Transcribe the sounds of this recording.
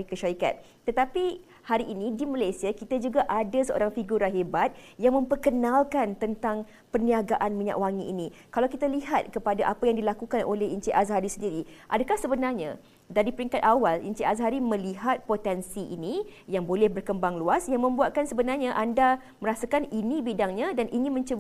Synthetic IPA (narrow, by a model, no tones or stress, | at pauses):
ikəʃaɾika̰t̪̚ | t̪ːət̪api | haɾiʔːnidimalajsiakit̪ad͡ʒuɡaʔadasəʔo̰ɾaŋfiɡuɾaɦebat̪̚jaŋmə̃mpərkənãlkant̪ənt̪aŋ | pəniaɡaʔanmiɲa̰ʔwaŋiʔinikalawkit̪aliɦat̪̚kəpadaʔapajaŋdilakukanʔo̰lɛhint͡ʃiʔasɦaɾisəndiɾiʔadakahsəbənarɲa̰ | daɾipəɾiŋkat̪awalḭɲt͡ʃiʔazɦaɾimə̃liɦat̪̚pot̪ɛnsiʔḭnijaŋbolɛhbərkəmbaŋluasjaŋmə̃mbuat̪̚kansəbənarɲaʔanda | məɾasakaninĩbidaŋɲadanʔiŋɪ̃nmə̃ɲt͡ʃəb